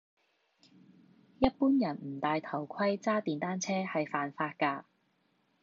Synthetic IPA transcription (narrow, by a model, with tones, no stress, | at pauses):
jɐ˥t̚puː˥njɐ˨˩nm̩˨˩t̪aː˨˧jt̪ʰɐ˨˩wkʷʰɐ˥jt͡saː˥t̪iː˨nt̪aː˥nt͡sʰɛː˥hɐ˨jfaː˨nfaː˧t̚kaː˧